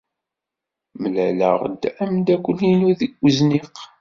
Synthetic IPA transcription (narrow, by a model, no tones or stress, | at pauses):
məlælə̰ʁd̪æmd̪ækʷːəninuðəɡʷːəzniq